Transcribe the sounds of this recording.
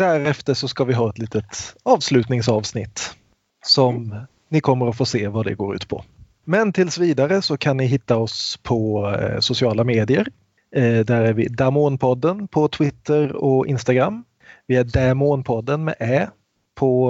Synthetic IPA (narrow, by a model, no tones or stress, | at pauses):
d̪̥æɾɛft̪əʂɔskavɪɦɑːɛt̪liːt̪ət̪ɑːvslʉ̟ːt̪nɪŋsɑːvsnɪt̪ː | sɔm | nɪkʰɔmːəɾɔfoːseːvad̪ɛ̰ɡoːɾʉ̟ːt̪pʰɔ̰ | mɛnt̪ʰɪlsviːd̪aɾəsɔkʰanːɪɦɪt̪ːaɔspʰɔsʊsɪɑːlameːd̪ɪəɾ | d̪æɾæɾvɪ̰d̪amoːnpʰɔd̪ːənpʰɔt̪ʰvɪt̪ːəɾɔɪ̰nst̪aɡɾamː | vɪæɖɛmoːnpʰɔd̪ːənmɛ̰ʔɛː | pʰɔ